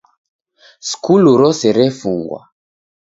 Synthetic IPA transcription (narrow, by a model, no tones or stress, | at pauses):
skʰuluɾɔsɛɾɛfuŋɡwa̰